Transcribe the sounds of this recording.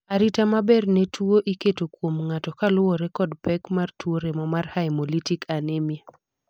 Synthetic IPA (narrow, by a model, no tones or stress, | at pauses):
aɾitamabɛrnetuoʔiketokwomŋatɔkalʊɔɾɛkɔdpɛkmartwoɾemɔmarhajmolitikʰanemja